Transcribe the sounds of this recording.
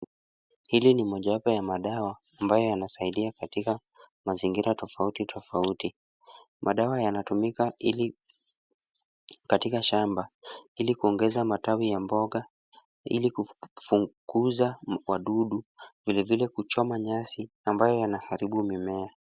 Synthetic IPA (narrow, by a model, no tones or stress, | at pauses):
hilinimɔʄaapɔjamaɗawaːmbajɔjanasaiɗiakatika | maziŋɡiɾatɔfautitʰɔfauti | mʔaɗawajanatumikal | katikaʃambailikuɔŋɡɛzamatawijambɔɠa | ḭlikufuɡuzawaɗuɗuvilɛvilɛkut͡ʃɔmaɲasi | ambajɔjanahaɾiɓumimɛa